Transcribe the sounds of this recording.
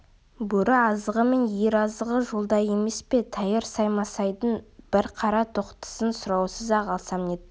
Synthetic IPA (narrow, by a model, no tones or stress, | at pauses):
bɵɾɪɑzəʁəme̞njeɾɑzəʁəʒolˠd̪ɑje̞me̞spe̞t̪ʰɑjəɾsɑjmɑsɑjd̪ənb̥ɪɾqʰɑɾɑt̪ʰoqt̪ə̥sənsʊɾɑwsəzɑʁɑlˠsɑmnet̪̚